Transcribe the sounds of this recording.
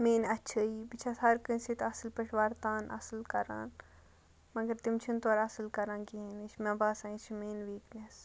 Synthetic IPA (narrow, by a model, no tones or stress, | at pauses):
meːnɐtːt͡ʃʰəibit͡ʃʰasɐɾkɨ̃nsit̪ʰɐslpɐʈʰʋaːɾt̪aːnʔɐ̰slkɐɾa̰ːn | mɐɡɐɾt̪imt͡ʃʰint̪oːɾɐsɨlkɐɾãːnɡiinit͡ʃʰmɐ̃baːsãːĩt͡ʃʰimeːnʋiːknes